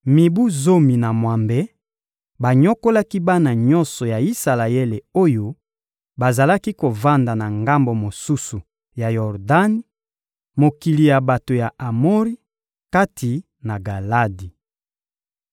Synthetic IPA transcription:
mi˨bu˦zo˦mi˨na˨mwa˨mbe˦ | ba˨ɲo˦ko˦la˦ki˦ba˦na˨ɲɔ̃˦nsɔ˨ja˨i˦sa˨la˨e˦le˨o˦jo˦ | ba˨za˨la˦ki˦ko˨va˦nda˨na˨ŋɡa˦mbo˨mo˨su˦su˨ | ja˨jɔ˨ʁda˦ni˦ | mo˨ki˨li˨ja˨ba˨to˨ja˨ʔa˨mo˦ʁi˦ | ka˦tʰi˨ | na˨ɡa˨la˦di˨

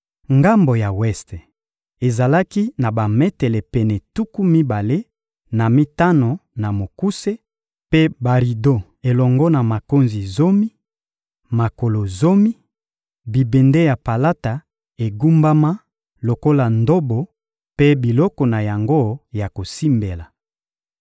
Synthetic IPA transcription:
ŋɡa˦mbo˨ja˨wɛ˦ste˨ | e˨za˨la˦ki˦na˨ba˨mɛ˦tɛ˨lɛ˨pɛ˨nɛ˨tu˦ku˦mi˦ba˨le˦ | na˨mi˦ta˦no˨na˨mo˨ku˦se˦ | pe˦ba˨ʁi˨do˦ | e˨lɔ˨ŋɡɔ˦na˨ma˨ko˦nzi˨zo˦mi˦ | ma˨ko˨lo˨zo˦mi˦ | bi˨be˨nde˦ja˨pa˨la˦ta˨ | e˨ɡu˦mba˦ma˦ | lo˨ko˦la˨ndo˦bo˨ | pe˦bi˨lɔ˦kɔ˨na˨ja˨ŋɡo˦ja˨ko˨si˦mbe˨la˨

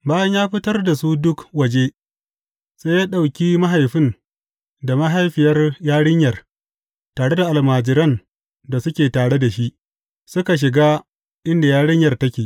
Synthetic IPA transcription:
baː˦jɐ˦njaː˦ɸɪ˦tɐ˦rda˨su˦dʊ˦kwɐ˨d͡ʒe˦ | se˦jaː˦ɗa˨wkʲiː˦ma˦ɦa˨jɸɪ˦n | da˨ma˦ɦa˦jɸɪ˨jɐ˦rjaː˦ɽɪ˦ɲjɐ˨r | taː˨ɽe˦da˨ʔa˨lmaː˨d͡ʒɪ˨ɾɐ˦n | da˨sʊ˦kʲeː˨taː˨ɽe˦da˨ʃi˦ʔ | sʊ˦ka˨ʃ̬ɪ˨ɡaː˦ | ʔɪ˦nda˨jaː˦ɽɪ˦ɲjɐ˨rtɐ˦kʲeː˨ʔ

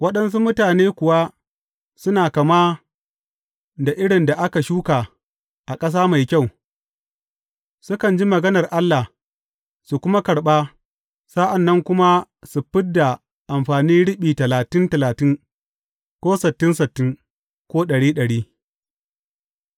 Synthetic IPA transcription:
wɐ˦ɗɐ˦ns̬u˦mʊ˦taː˨neː˦kʷʊ˨wa˦ | sʊ˦naː˨kɐ˨maː˦ | da˨ʔɪ˦ɽɪ˨nda˨ʔa˦ka˨ʃuː˦kaː˨ | ʔa˨kʼɐ˦s̬aː˦ma˨jkʲa˦˨w | sʊ˦kɐ˨nd͡ʒi˦mɐ˨ɡɐ˦nɐ˨rʔa˦lːa˨h | su˨kʷʊ˦ma˦kɐ˨ɽɓaː˦ | saː˦ʔa˨nːɐ˦ŋkʷʊ˦ma˦ | su˨ɸɪ˦dːa˨ | ʔa˨mɸaː˨niː˦ɽɪ˦ɓiː˨tɐ˨laː˨tɪ˦ntɐ˨laː˨tɪ˦ŋ | kʷoː˦sɪ˨tːɪ˦nsɪ˨tːɪ˦ŋ | kʷoː˦ɗɐ˨ɽiː˦ɗɐ˨ɽiː˦

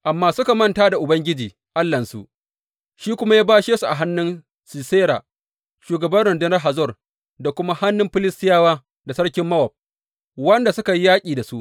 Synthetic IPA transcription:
ʔa˨mːaː˦sʊ˦ka˨mɐ˦ntaː˦da˨ʔʊ˨bɐ˦ŋɡʲɪ˦d͡ʒiː˨ | ʔa˦lːɐ˨nsṵ˨ʔ | ʃiː˦kʷʊ˦ma˦jaː˦baː˦ʃeː˦su˨ʔa˨ɦa˦nːʊ˦n | si˨seː˦ɾa̰ː˨ | ʃuː˨ɡɐ˨bɐ˦nɽɐ˨ndɪ˦nɐ˦rɦa˨zɔ˦˨r | da˨kʷʊ˦ma˦ha˦nːʊ˦mɸɪ˦lɪ˦stɪ˦jaː˦waː˦ | da˨sɐ˦ɽkʲɪ˦mːɐ˦wɐ˨p̚ | wɐ˦nda˨sʊ˦ka˨ji˦jaː˦kʲʼiː˨da˨su˦ʔ

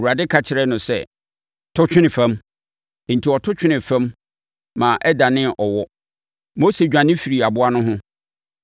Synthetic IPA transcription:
wu˨ɾa˨dɪ˦kʰa˨t͡ɕʰɪ˨ɾɛ˦nʊ̃˨sɛ˦ | tʰʊ˦t͡ɕᶣɪ˦nɪ̃˨fã˦m˨ | n̩˨tʰi˨ɔ˨tʰʊ˦t͡ɕʰᶣɪ˦nɪ̃˨fɛ̃˦mː | ã˨ʔɛ˦da˨nɪ̃˦ʔɔ˨wɔ˦ | mo˦se˨d͡ʑᶣã˨nɪ̃˦fi˨ɾi˨a˨bʊ˦a˦nʊ̃˦ɦʊ̃˦

